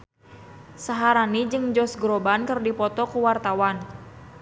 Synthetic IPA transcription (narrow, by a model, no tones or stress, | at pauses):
saɦaɾanid͡ʒɨŋd͡ʒɔsɡɾɔbankɨrdipɔt̪ɔkuwart̪awan